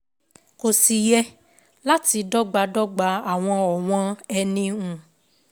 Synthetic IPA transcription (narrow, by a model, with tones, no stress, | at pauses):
ko˨si˨jɛ˧ | la˦ti˧dɔ˦ɡ͡ba˧dɔ˦ɡ͡ba˧˦a˦˨w̃ɔ̃˧ɔ˨w̃ɔ̃˧˦ɛ˧nĩ˧ũ˨